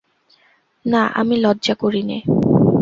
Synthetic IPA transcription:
naʔa̰milɔdːʑakoɾinḛ

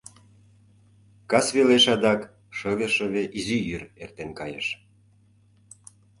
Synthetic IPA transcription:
kɑsβeleʃɑd̪ɑk | ʃɤβeʃə̆βeʔizijyrḛrt̪enkɑjə̰ʃ

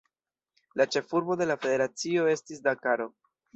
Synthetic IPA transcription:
lat͡ʃe̞fuɾbo̞de̞lafe̞de̞ɾat͡sio̞e̞stis̬dakaɾo̞

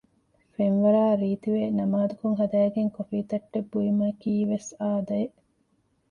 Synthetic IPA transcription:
fenʋɐɾaːɾiːt̪iʋeːnɐmaːd̪ukoŋɦɐd̪æːɡeŋkofiːt̪ɐʈːebːuimɐkiːʋesaːd̪ɐeʔ

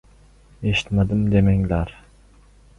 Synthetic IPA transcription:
eʃi̥t̪mad̪ɨmd̪emeŋlæɾ

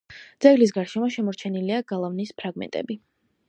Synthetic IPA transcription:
d̪z̥ɛɡlis̬ɡaɾʃɛmɔʃɛmɔɾt͡ʃʰɛniliaɡalˠavnispʰɾaɡmɛ̰nt̪ʼɛ̰bi

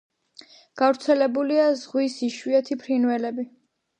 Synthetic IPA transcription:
ɡ̥avɾt̪sʰɛlɛbuliazʁwisiʃwiɛt̪ʰipʰɾinvɛlɛbi

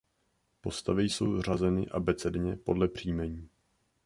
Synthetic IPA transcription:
po̞st̪avɪjso̞wr̝azɛnɪʔa̰bɛt͡sɛdɲɛpo̞̰dlɛpr̝̥iːmɛɲiː

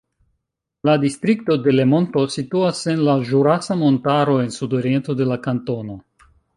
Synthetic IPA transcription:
ladistɾik̚to̞de̞le̞mo̞nto̞situase̞nlaʒuɾasamo̞ntaɾo̞e̞nsudo̞ɾie̞nto̞de̞lakanto̞no̞

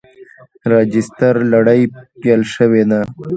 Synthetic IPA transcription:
ɾɑd͡ʒɪst̪aɾlaɽajpjalʃəwena

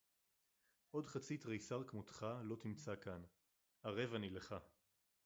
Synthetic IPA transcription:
ʔo̞dχat͡sit̪ʁejsaʁkmotχalo̞t̪imt͡sakan | aʁe̞vanileχa

